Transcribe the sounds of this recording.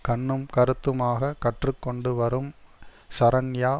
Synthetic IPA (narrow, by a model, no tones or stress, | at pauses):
kɐɳːɯmkɐɾɯt̪ːɯmaːɣɐkɐʈrɯkːɔɳɖɯʋɐɾɯmsɐɾɐnjaː